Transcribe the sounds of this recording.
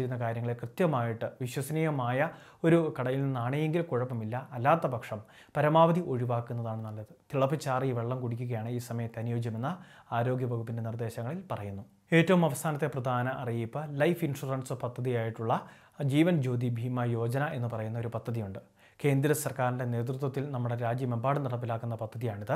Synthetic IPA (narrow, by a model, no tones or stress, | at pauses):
iɾunːɐkaːɾjɐŋːɭekrɨt̪jɐmaːjiʈːɨʋiɕwɐsɐniːjɣɐmaːjɐ | o̞ɾukɐɽɐjilninːaːɳejeŋɡilkuɻɐpːɐmilːɐːlːaːt̪ːɐbɐkʂɐm | pɐɾɐmaːʋɐd̪iʔo̞ɻiʋaːkːunːɐðaːɳɨnɐlːɐðɨt̪iɭɐpːit͡ɕːaːriːʋe̞ɭːɐmkuɽikʲːuɣɐjaːɳɨiːsɐmɐjɐmt̪ɐnijo̞ːd͡ʑjɐme̞nːɐ | aːɾo̞ːɡʲjɐbʱɐɣupːinde̞nird̪e̞ːɕɐŋːɐɭilpɐrɐjunːu | e̞ːtːɐʋumɐʋɐst̪ʰaːnɐt̪ːe̞prɐd̪ʱaːnɐʔɐrijipːɐlɐjfinʂurɐɳsopɐd̪ʱːɐðijaːjiʈːuɭːɐ | d͡ʑiːʋɐnd͡ʑo̞ːd̪ibʱiːmɐjo̞ːd͡ʑɐnɐʔe̞nːɨpɐrɐjunːɐo̞ɾupɐd̪ʱːɐðijuɳɖɨ | ke̞ːnd̪ɾɐsɐrkaːɾinde̞ne̞ːt̪̬rɨt̪̬wɐt̪ːilnɐmːuɽe̞ɾaːd͡ʑjɐmebaːɽɨniɽɐpːilaːkːunːɐpɐd̪ʱːɐðijaːɳiðɨ